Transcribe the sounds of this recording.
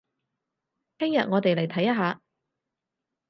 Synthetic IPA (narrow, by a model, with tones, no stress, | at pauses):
kɪ˥ŋjɐ˨t̚ŋɔː˨˧t̪e˨jle˨˩jt̪ʰɐ˨˥jɐ˥ɦaː˨˧